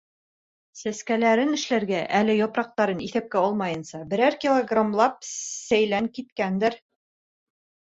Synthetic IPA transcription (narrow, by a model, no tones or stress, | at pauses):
sæskælæɾɘnɘ̆ʃlæɾɡæʔælɘjɒpɾɑq̚t̪ɑɾɤniθæp̚kæɒlˠmɑjɤ̆nsɑbɘ̆ɾæɾkʲilˠoɡramlˠɑp̚sæjlæŋkit̪kænd̪ɘɾ